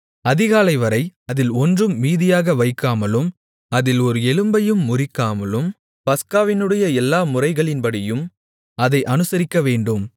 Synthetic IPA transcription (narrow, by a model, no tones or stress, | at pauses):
ɐðɪɣaːlɐɪʋɐɾɐɪɐðɪlɔndrɯmːiːðɪjaːɣɐʋɐɪkːaːmɐlɯm | ɐðɪlɔɾɯɛlɯmbɐjɯmːʊrɪkːaːmɐlɯm | pɐskaːʋɪnɯɽɐjɐɛlːaːmʊrɐɪɣɐɭɪnpɐɽɪjɯm | ɐðɐɪʔɐnɯsɐɾɪkːɐʋeːɳɖɯm